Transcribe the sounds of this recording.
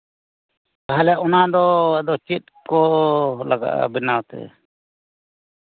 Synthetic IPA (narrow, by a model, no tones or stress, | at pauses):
kaɦalɛʔɔnad̪ɔɛd̪ɔt͡ʃit̪̚kɔlaɡa̰ʔa̰bɛnawt̪ɛ̰